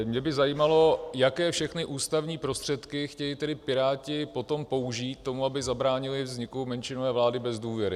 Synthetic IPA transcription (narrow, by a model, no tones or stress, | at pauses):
mɲɛbɪzajiːmalo̞jakɛːfʃɛxnɪʔuːst̪avɲiːpɾo̞st̪r̝̥ɛt̪kɪxcɛjɪt̪ɛdɪpɪɾaːcɪpo̞t̪o̞mpo̞uʒiːt̪̚tːo̞muabɪzabɾaːɲɪlɪvzɲɪkumɛnʃɪnovɛːvlaːdɪbɛzduːvjɛɾɪ